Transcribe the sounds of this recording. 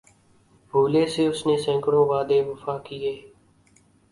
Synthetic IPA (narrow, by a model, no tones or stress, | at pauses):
bʱuːleːseːʊsneːsɛ̃ːkəɽõːʋaːd̪eːʋəfaːkieː